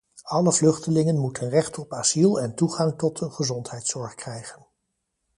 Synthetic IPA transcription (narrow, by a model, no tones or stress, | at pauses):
ɑləvlɵχtəlɪŋənmutʰənrɛχtɔpaz̥ilˠɛntuχɑŋtɔtəχəzɔntɦɛjtsɔɹχkrɛjχən